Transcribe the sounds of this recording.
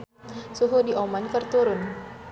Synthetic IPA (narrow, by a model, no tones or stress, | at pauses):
suɦudiʔɔmankərt̪uɾʊn